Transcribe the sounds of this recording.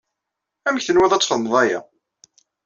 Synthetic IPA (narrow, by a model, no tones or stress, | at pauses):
æməçθənwæðˤæt͡sːfəðmðˤæjæ̰